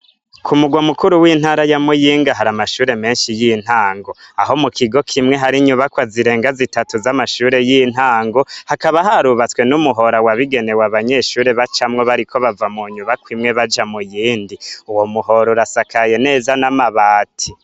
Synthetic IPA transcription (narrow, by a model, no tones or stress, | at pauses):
kʰumuɡwamukuɾuwiːn̥haːɾajamujiːŋɡaɦaɾamaʃuːɾe̞me̞ːnʃijin̥haːŋɡo̞aɦo̞mukʰiɡo̞kʰimŋe̞ɦaɾiɲuβakwaziɾe̞ːŋɡazitatuzamaʃuːɾe̞jin̥aːŋɡo̞hakaβaɦaɾuβat͡swe̞numuɦo̞ɾawaβiɡe̞ne̞waβaɲe̞ʃuːɾe̞βat͡ʃamŋo̞βaɾikʰo̞βavamuɲuβakwimŋe̞βad͡ʒamujiːndiuwo̞muho̞ɾoɾasakaje̞ne̞ːzanamaβaːtʰi